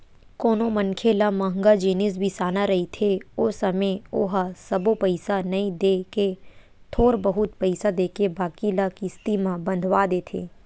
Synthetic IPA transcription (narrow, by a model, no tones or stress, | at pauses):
koːnomɐnkʰelamɐɦə̃ŋɡad͡ʒiːnɪs̬bʱisaːnaɾɐɦit̪ʰeosɐmeoɦsɐbopɐɪsanɐĩd̪eːke | t̪ʰoːɾbɐɦʊt̪̚pɐɪsad̪eːkebaːkilakist̪imãbɐ̃nd̪ʱʋaːd̪eːt̪ʰḛː